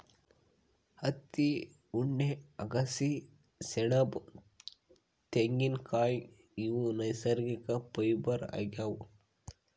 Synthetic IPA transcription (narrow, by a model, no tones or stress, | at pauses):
hɐt̪ːi | uɳːeɐɡɐsi | sɛɳɐb | t̪eŋɡinkʰaːj | iwunɐjsɐɾɡikɐpɐjbɐɾa̰ɡaːwu